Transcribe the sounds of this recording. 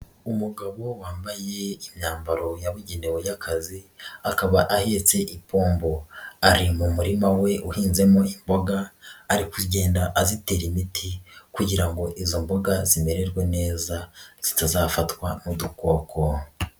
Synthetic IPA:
umuɡaβo̞waːmbaje̞imɲaːmbaɾo̞jaβuɟenewejakʰaziakaβaʔahe̞ːt͡se̞ʔipʰo̞ːmbo̞aɾimumuɾimawe̞ʔuhiːnze̞moimbo̞ɡaːɾikuɟe̞ːndaʔazite̞ːɾimitʰikuɟiɾaŋɡo̞ʔizo̞mbo̞ɡazime̞ɾe̞ɾɡwene̞ːzaz̥itazaːfatwamuduko̞ːko̞

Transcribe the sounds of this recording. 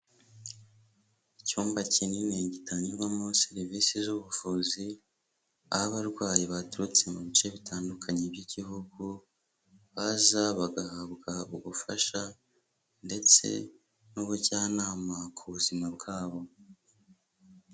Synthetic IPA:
icuːmbacinineɟitaɲiɡamoseɾivisizuβufuːzi | a̰haβaɾɡwaːjiβatuɾut͡se̞muβit͡ʃeβitʰaːndukʰaɲebɟiɟihuɡu | βazaβaɡahabɡauβufaʃa | nde̞t͡se̞̰ | nuβuɾɟaːnaːmakʰuβuzimabɡaːβo̞

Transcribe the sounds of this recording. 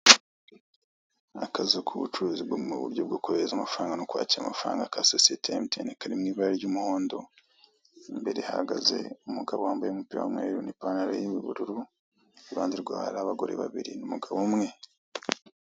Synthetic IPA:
akʰazukʰuβut͡ʃuɾuːzibɡouβṵɾɟob̚ɡoːkuɾezamafɾaːŋɡanokwa̰ːciɾamafɾa̰ːŋɡakʰasosetʰemitenekaɾimŋiːβaiɾɟuːmuho̞ːndo̞ | mbe̞ɾe̞haɡazḛumuɡaβohaːmbajemupiɾawamwḛːɾunipaːnaɾo̰jimiβuɾuɾu | βaːndiɾɡwaːɾaːβaɡo̞ɾe̞̰βaβiɾinumuɡaβomŋe̞

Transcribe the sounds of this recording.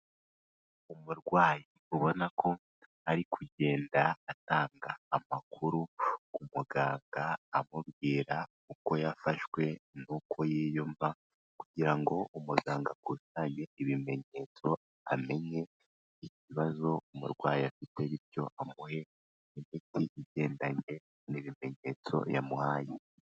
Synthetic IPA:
umuɾɡwaːji | uβo̞nakʰo̞ | aɾikʰuɟe̞ːndaataːŋɡaːmakʰuɾuumuɡaːŋɡaːmuβɡiːɾa | uko̞jafaʃwe̞nukʰo̞jeːjomva | kuɟiɾaŋɡo̞umuɡaːŋɡakwusaːɲeiβime̞ɲe̞t͡so̞ | ame̞ɲe̞ | iciβazo̞umṵɾɡwaːjafite̞βiɾjo̞ʔamuhe̞ | imitiʔiɟe̞ːndaɲe̞ | niβime̞ɲe̞t͡so̞̰ja̰muhaːje

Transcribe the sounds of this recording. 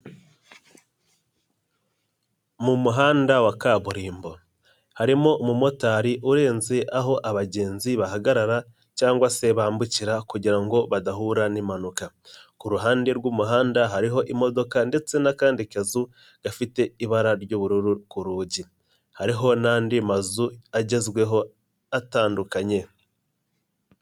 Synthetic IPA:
mumuɦaːndawakaβuɾiːmbo̞ | haɾimo̞mumo̞taːɾiʔuɾe̞ːnze̞ʔaɦo̞ʔaβaɟe̞ːnziβaɦaɡaɾaɾa | caːŋɡwase̞βaːmbuciɾakuɟiɾaŋɡo̞βadaɦuɾanimanuka | kuɾuɦaːndeɾɡuːmuɦaːndaɦaɾiɦo̞ʔimo̞do̞kande̞t͡se̞nakaːndikazu | ɡ̥afite̞iβaɾaɾɟoβuɾuɾukuɾuːɟi | haɾiɦo̞naːndimazuaɟe̞zɡwe̞ɦo̞ | ataːndukaɲe̞

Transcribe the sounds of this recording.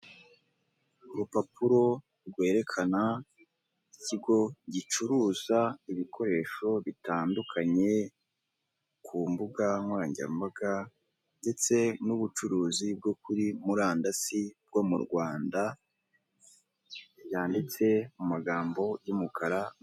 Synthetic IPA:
uɾupapuɾo̞ | ɾɡwe̞ːɾe̞kʰana | iciɡo̞ɟit͡ʃuɾuːzaiβikʰo̞ɾe̞ːʃo̞βitaːndukʰaɲe̞ | kʰumbuɡaŋwaːɲɟa̰mbaɡa | nde̞t͡se̞nuβut͡ʃuɾuːzib̚ɡokuɾimuɾaːndasib̚ɡo̞mṵɾɡwaːnda | jaːndit͡se̞mumaɡaːmbo̞jumukʰaɾa

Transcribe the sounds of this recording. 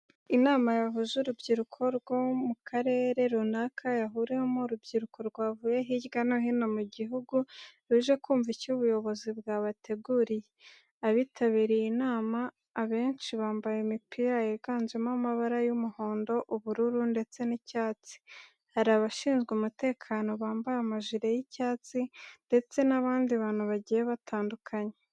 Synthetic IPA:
inaːmajaɦuzuɾubɟiɾukʰo̞ɾɡwo̞mukʰaɾe̞ːɾe̞ɾunakʰajaɦuɾemuɾubɟiɾuko̞ɾɡwaːvuje̞ɦiɟɡanoɦino̞muɟiɦuɡuɾuʒe̞kuːɱvicuβujo̞βo̞zibɡaβatʰe̞ɡuɾije | aβitʰaβiɾijinaːmaː | βe̞ːnʃiβaːmbajemipʰiːɾajiɾɡaːnzemamaβaɾajumuho̞ːndo̞ʔuβuɾuɾunde̞t͡se̞nicaːt͡si̥ | haɾaβaʃiːnzɡumute̞ːkʰaːno̞βaːmbajamaʒiɾe̞jicaːt͡sinde̞t͡se̞naβaːndiβaːn̥huβaɟijeβatʰaːndukʰaɲe̞

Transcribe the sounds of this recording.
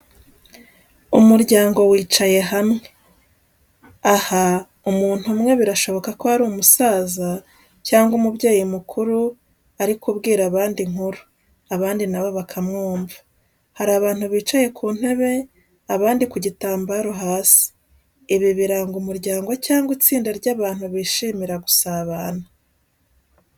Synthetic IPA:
umuɾɟaːŋɡo̞wiːt͡ʃaje̞ɦamŋe̞ | aha | umuːn̥humŋe̞βiɾaʃo̞βo̞kakohaɾuːmusaːza | caːŋɡumuβɟeːjimukʰuɾu | aɾikuβɡiːɾaβaːndiŋ̥huɾu̥ | aβaːndinaβo̞βakʰamŋuːmvḁ | haɾaːβaːn̥huβiːt͡ʃaje̞kʰuːn̥he̞βe̞ | aβaːndikuɟitaːmbaːɾo̞ɦaːsi̥ | iβiβiɾaːŋɡumuɾɟaːŋɡo̞caːŋɡwit͡siːndaɾɟaːβaːn̥huβiːʃiːmiɾaɡusaβaːna

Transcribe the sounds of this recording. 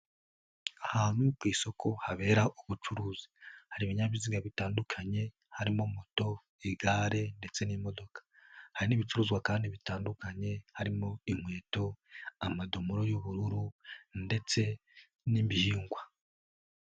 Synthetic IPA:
ahaːn̥hukwiːso̞kʰo̞haβe̞ːɾaʔuβut͡ʃuɾuːzi̥haɾiβiɲaβiziɡaβitaːndukʰaɲe̞ | haɾimomoto̞ | iɡaːɾe̞nde̞t͡se̞nimo̞do̞kḁhaɾiniβit͡ʃuɾuːzɡwakaːndiβitaːndukaɲe̞haɾimo̞imwe̞ːto̞amadomuɾo̞juβuɾuɾunde̞t͡se̞ | nimbihiːŋɡwa

